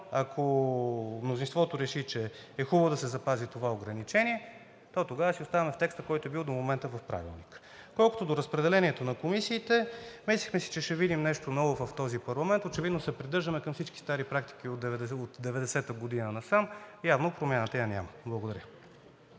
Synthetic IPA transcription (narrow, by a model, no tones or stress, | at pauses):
akʰo | mnozinst̪vɔt̪oɾɛʃit͡ʃɛː | xubəvod̪ɐsɛzɐpazit̪ovaoɡɾɐnit͡ʃɛniɛ | t̪ɔt̪oɡavəsiost̪avɐmɛft̪ɛkst̪əkɔjt̪oɛbilˠd̪omomɛnt̪əvɐfpɾa̰vḭlˠnik | kɔlˠkot̪od̪oɾəspɾɛd̪ɛlɛniɛt̪onɐkomisiːt̪ɛmɛslʲixmɛsi̥t͡ʃɛʃɛvid̪imnɛʃt̪onɔvovɐft̪ɔzipɐɾlˠɐmɛnt̪ot͡ʃɛvid̪nosɛpɾid̪ɤɾʒd̪əmɛkɐmfsit͡ʃki̥st̪aɾipɾakt̪i̥k̟iod̪ɛvɛd̪ɛot̪d̪ɛvɛd̪ɛsɛt̪əɡod̪inənɐsamjavnopɾomʲjanət̪əjanʲa̰məblˠəɡod̪ɐɾʲjə